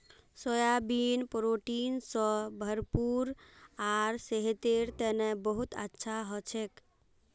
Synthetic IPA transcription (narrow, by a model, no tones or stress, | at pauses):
sojabinpɾoʈinsɔ̃bʱəɾpuɾaɾseɦet̪eɾt̪enebəɦut̪ə̰tːʃʰaɦɔt͡ʃʰek